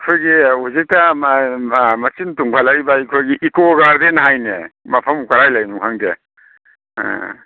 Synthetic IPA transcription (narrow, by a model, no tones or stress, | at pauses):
kʰojɡihuzik̚ta | masintuŋpʰalajbaikʰoɡiʔikoɡaɾdenɦajnḛmapʰɐmkaɾajlajnuŋkʰaŋde | a̰